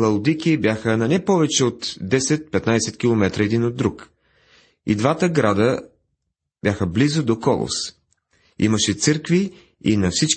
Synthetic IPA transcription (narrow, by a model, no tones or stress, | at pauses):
lˠɐlʊd̪ikʲibjaxənɐnɛpɔvɛt͡ʃɛot̪d̪ɛsɛt̪̚pɛt̪najsɛt̪kʲilˠomɛt̪ɾəɛd̪inod̪ːɾuk | ḭd̪vat̪əɡɾad̪ə | b̥jaxəblizʊd̪okɔlˠo̰s | ḭməʃɛt̪sɤɾkvi | ḭnɐfsit͡ʃ